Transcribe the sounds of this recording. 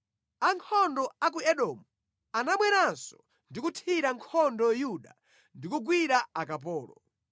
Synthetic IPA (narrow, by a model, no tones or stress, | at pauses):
aŋkʰɔndɔak̬uɛɗɔːmu | anamwɛɾansɔ | ndikutʰiɾaŋkʰɔndɔjuɗa̰ | ndikuɡwiɾaakap̬ɔːlɔ̰